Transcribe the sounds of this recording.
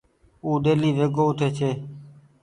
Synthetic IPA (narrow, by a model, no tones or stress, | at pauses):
uːɗeːliːʋeːɡoːt̪ʰeːt͡ʃʰeː